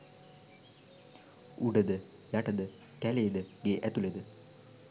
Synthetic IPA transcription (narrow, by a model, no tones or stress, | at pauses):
uɖəd̪ə | jaʈəd̪ə | kæleːd̪əɡeːʔæt̪uled̪ə